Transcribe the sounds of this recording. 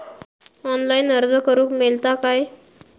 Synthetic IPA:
ɔnlainəɾd͡zəkəɾuːkmelt̪akaj

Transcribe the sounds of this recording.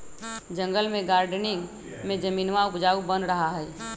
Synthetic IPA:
d͡ʒə̃ŋɡəlmẽɡaːɾɖnɪ̃ŋ | mẽd͡ʒəmiːnʋaʊpd͡ʒaːubə̃nɾəɦaɦɛː

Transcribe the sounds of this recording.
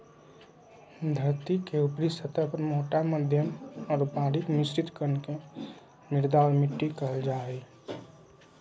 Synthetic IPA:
d̪ʱəɾt̪ikeupɾisʰət̪əpəɾmoːʈaməd̪ʱjəmɔːɾpaːɽiknist͡ʃit̪kəɾnke | nɪɾd̪aːɾmiʈːikəɦəld͡ʒaːɦɛ

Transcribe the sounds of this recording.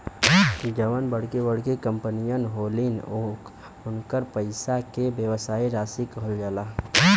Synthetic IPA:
d͡ʒəʋənbəɽ̤kebəɽkekə̃mpənijənɦoːlino | ʊnkəɾpəɪsakebjəwsaːiɾaːsikəɦəld͡ʒaːla

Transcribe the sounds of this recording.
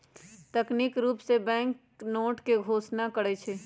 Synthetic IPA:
t̪əkniːkɾuːpsebɛ̃ːŋk | noːʈkeɡʱoːsnakəɽɛt͡ʃʰeː

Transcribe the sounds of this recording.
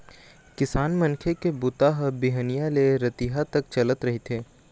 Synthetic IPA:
kɪsaːnmɐ̃nkʰekebʊt̪aɦbiɦənijaleɾɐt̪iɦat̪ɐk̚t͡ʃɐlət̪ɾɐɦet̪ʰeː

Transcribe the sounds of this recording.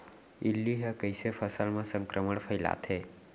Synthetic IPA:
ilːiɦəkəjsefʰəsəlmãsə̃ŋkɾəməɳpʰəjla̰t̪ʰe

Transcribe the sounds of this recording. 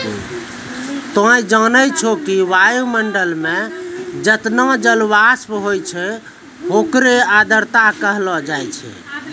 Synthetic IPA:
t̪ɔ̃ĩd͡ʒənət͡ʃʰokiʋajuməɳɖəlmẽd͡ʒət̪nad͡ʒəlʋaspɦojt͡ʃʰɛ | ɦokɾead̪əɾt̪akəɦlɔd͡ʒajt͡ʃʰɛ̰

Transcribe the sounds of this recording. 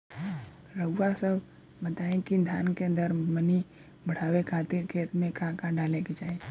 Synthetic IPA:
ɾəːasəb | bət̪aẽkid̪ʱjankeənd̪əɾməni | bʱəɽ̤aʋekʰat̪iɾkʰet̪mẽkʰãkãɖaleked͡ʒaẽ

